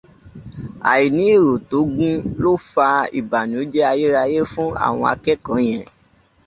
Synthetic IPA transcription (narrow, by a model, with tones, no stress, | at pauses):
a̰˨ji˨nĩ˨˦i˦˨ɾo˨to˨˦ɡũ˦lo˦fa˧ḭ˨ba˨nũ˨˦d͡ʒɛ˦a˧je˦ɾa˧je˦fũ˦a̰˦˨w̃ɔ̃˧a̰˧kɛ˦kã˨˦j̃ɛ̃˨